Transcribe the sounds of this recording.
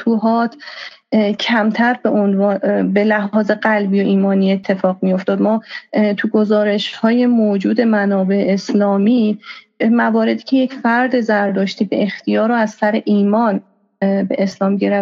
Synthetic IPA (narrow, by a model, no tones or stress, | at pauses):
t̪ʰuːɦɒːt̪ʰ | cʰæmt̪ʰæɾbeonːbe̞læɦɒːze̞ɢælbijoʔiːmɒːnie̞t̪ʰːe̞fɒːɣmijo̞ft̪ɒːd̪mɒːt̪ʰuɡo̞zɒːɾe̞ʃhɒːje̞moːd͡ʒuːd̪e̞mænɒːbe̞eːslɒːmi | mævɒːɾe̞d̪iːcʰeje̞cfæɾd̪e̞zæɾd̪ɒːʃt̪iːbḛːxt̪ʰijɒːɾoæzsæɾeʔiːmɒːn | bḛʔeslɒːmɟeɾæ